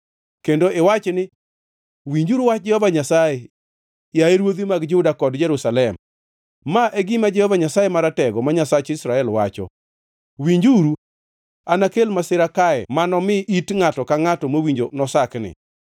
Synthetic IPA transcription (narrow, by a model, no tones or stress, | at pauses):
kendoʔɪwat͡ʃnɪ | wiɲd͡ʒuɾwat͡ʃ̚d͡ʒɛhɔvaɲasaje | jaeɾwod̪imaɡd͡ʒʊdakɔdd͡ʒɛɾusalɛmː | aʔeɡimad͡ʒɛhɔvaɲasajemaɾatɛɡɔmaɲasat͡ʃɪsɾaɛlwa̰t͡ʃɔ̰ | wiɲd͡ʒuɾu | anakelmasɪɾakaɛ̰manɔmɪʔitŋatɔkaŋatɔmowiɲd͡ʒonɔsaknɪ̰